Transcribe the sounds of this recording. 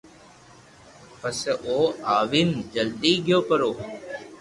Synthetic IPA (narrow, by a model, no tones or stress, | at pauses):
pəsʔoːaːʋind͡ʒəld̪iːɡɪjoːpəɾoː